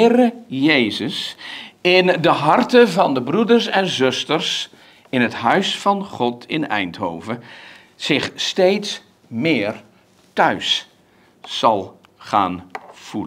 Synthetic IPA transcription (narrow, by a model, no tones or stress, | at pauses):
rəjejzəs | ɪndəɦɑrtənvɑndəbrudəɹsɛnzɵstərs | ɪnɦətɦœɥsfɑnχɔtʰɪnɛ̰jntɦo̰wvə | z̥ɪχstejts | mɪːɹ | tœɥsː | ɑlˠ | χa̰ːnv̥ulə